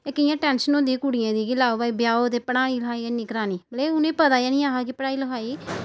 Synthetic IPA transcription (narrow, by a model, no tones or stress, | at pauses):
ɪkɪjãːʈɛːnʃənõːd̪iːkuːɽɪjãːd̪iːɡɪlaːoʋaːiːbjaːoːt̪eːpəɽaːniːləɦaːiːnɪkɾaːniːbəleːʊnẽːpət̪aːjãːnĩːaːɦaːkɪpəɽaːiːləkaːiː